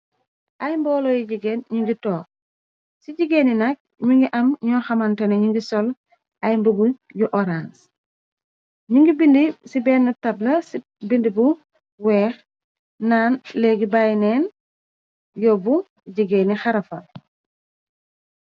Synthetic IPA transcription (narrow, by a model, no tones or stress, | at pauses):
ʔajmbɔlojiɟiɡenɲuŋɡitɔːk̚ | siɟiɡeːninɐk̚ɲuŋɡiʔɐmɲɔːxamanteneɲuŋɡisɔl | ʔajmbubujuʔɔɾans | ɲuŋɡibindisibɛːnːɐtablɐs | bindibu | wɛːx | naːnleɡibajnen | jɔbu | ɟiɡeːnixaɾɐfɐl